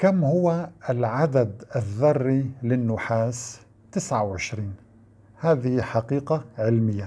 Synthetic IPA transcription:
kamhʊwaɪlʕad̪ad̪aðːɑrˤːilɪnːʊħaːs | t̪ɪsʕawʕɪʃɾiːn | haːðɪhiħaqiːqaʕɪlmɪjːa

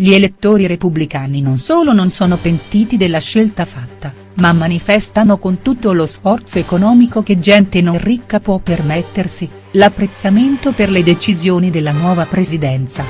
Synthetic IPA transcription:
ʎielet̪ːoːɾiɾepublikaːninonsoːlononsɔːnopent̪iːt̪id̪elːaʃːelt̪afat̪ːa | mamːanifɛst̪anokont̪ut̪ːolosfɔrt̪soekonɔːmikok̟ed͡ʒɛnt̪enorːikːapwɔpːermet̪ːersi | lapːɾet̪sːament̪operled̪et͡ʃizjoːnid̪elːanwɔːvapɾezid̪ɛnt̪sa

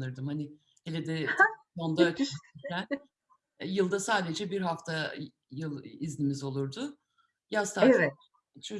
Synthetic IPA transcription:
nɯɾd̪ɯmhanɪ | helʲed̪ɛ | ond̪at͡ʃʰi̥ʃiiæn | jɯlˠd̪asaːd̪e̞d͡ʒɛbiɾɦaft̪ʰa | jɯlˠiznʲimizo̞lˠuɾd̪ʊ | jast̪ʰa | t͡ʃʰo

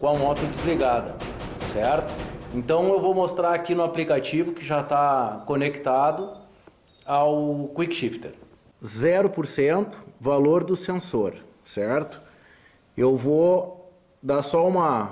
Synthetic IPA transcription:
kõɐmɔt̪ʊd͡ʒɪzliɡad̪ɐ | sɛɾt̪ʊ̥ẽnt̪ɐ̃w̃ewvomost̪ɾaɾakinʊaplikat͡ʃivʊkɪʒat̪akonekt̪ad̪ʊ | awkwikʃift̪eɾ | zɛɾʊpoɾsẽnt̪ʊ̥valoɾd̪ʊsẽsoɾ | sɛɾt̪ʊ̥ | ewvo | d̪asɔũmɐ

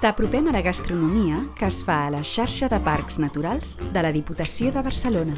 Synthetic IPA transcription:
t̪əpɾupɛmələɣəst̪ɾunumiəkəːsfaələʃaɾʃəðəpaɾkz̥nət̪uɾalˠzd̪ələðiput̪əsioðəβərsəlonə

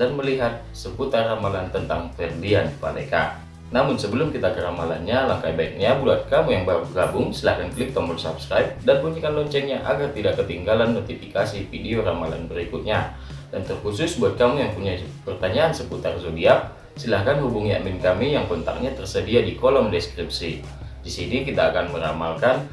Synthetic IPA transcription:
danməliɦat̪̚səput̪arːamalant̪ənt̪aŋfɛrdianpa̰lḛka̰ | namʊnsəbəlʊmkit̪akəɾamalanɲalaŋkaibaik̚ɲabuat̪̚kamuŋjaŋbaɾuɡabʊŋsilahkanklɪk̚t̪ɔmbərsa̰pskɾaip̚danpuɲikanlɔɲt͡ʃɛŋɲaʔaɡart̪idakːət̪iŋɡalanːot̪ifikasifideoɾamala̰nbəɾikʊt̪̚ɲa | d̥ant̪ərkusʊsbuat̪̚kamʊŋjaŋpuɲa | pərt̪aɲaːnsəput̪arzodia | silahkanhubuŋia̰mɪnkamijaŋkɔnt̪a̰k̚ɲat̪ərsədiadikɔlɔmdɛskɾip̚si | disinikit̪aːkanməɾamalkan

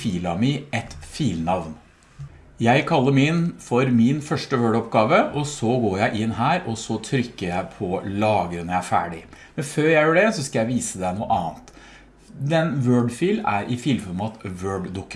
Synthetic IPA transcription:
fiːlɑmɪɛt̪fiːlnɑʋn | jæɪkʰɑlːəɾmɪnfɔɾmɪnfœʂʈəʋøːɖɔpɡɑːʋəʔɔsɔɡoːɾjæɪʔɪnːɦæːɾɔsɔt̪ʰɾʏkːəɾjæɪpʰɔlɑːɡəɾənəææɾfæ̰ːɖɪ | mɛnføːɾjæɪjøːɖɛsɔskɑjæɪʋiːsəd̪ɛnuːəʔɑːnt̪ | d̪ɛnʋøːɖfiːlæ̰ɾʔɪfiːlfɔɾmɑt̪ʋøːɖd̪ʊkː

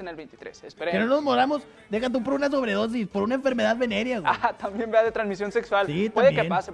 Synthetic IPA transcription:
enelβejnt̪it̪ɾesespeɾekenono̞zmoðɾamo̞s | d̪e̞xat̪̬up̬oɾunas̬o̞βɾe̞ðo̞s̬ispo̞ɾunaeɱfe̞ɾme̞ðaðβe̞neɾjaɣat̪ambjembeaðet̪ɾanzmisjo̞nsekswalsit̪aðekeenpase

